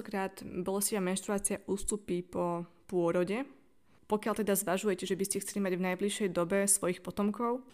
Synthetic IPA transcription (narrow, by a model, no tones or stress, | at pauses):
ɔkɾaːd̪bɔlɛsciʋamɛnʃt̪ɾuaːt͡sɪaʔuːst̪upipɔ | pʊɔɾɔɟɛ | pɔkɪjalt̪ɛd̪azʋaʒujɛcɛʒɛbiscɛxt͡sɛlimaɟvnajbliʃɛjd̪ɔbɛsʋɔjixpɔt̪ɔmkɔʊ